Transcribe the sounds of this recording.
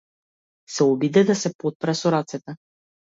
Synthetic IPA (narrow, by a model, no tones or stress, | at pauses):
sɛɔbid̪ɛd̪asɛpot̪̚pɾasɔɾat̪sɛt̪ɛ